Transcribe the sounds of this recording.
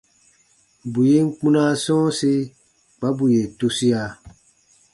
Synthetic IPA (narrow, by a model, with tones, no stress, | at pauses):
bu˨je˦ŋ̩˦k͡pũ˦nã˦sɔ̃ː˦se˦ | k͡pa˨˦bu˨je˨tu˨si˦a˨